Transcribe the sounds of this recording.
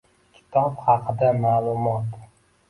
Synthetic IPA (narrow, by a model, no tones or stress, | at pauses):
kʲʰɪ̥t̪ʰɒpχɑqʰɨd̪amaːlˠʊmɒt̪